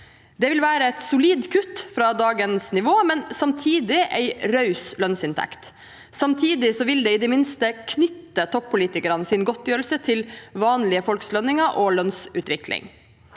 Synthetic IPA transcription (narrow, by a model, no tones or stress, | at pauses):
d̪ɛʋɪlʋæːɾəɛt̪sʊliːd̪kʰʉt̪fɾɑd̪ɑːɡənsnɪʋoːmɛnsɑmt̪ʰiːd̪ɪʔɛɪɾœʉslœnsɪnt̪ʰæ̰kt̪ | sɑmt̪ʰiːd̪ɪsɔʋɪld̪ɛɪd̪ɛmɪnst̪əkʰnʏt̪ːət̪ʰɔppːʊliːt̪ɪkəɾənəsɪnɡɔt̪̚djøːɾəlsət̪ʰɪlʋɑːnlɪəfɔlkslœnːɪŋɑʔɔlœnsʉːt̪ʋɪkʰlɪ̰ŋ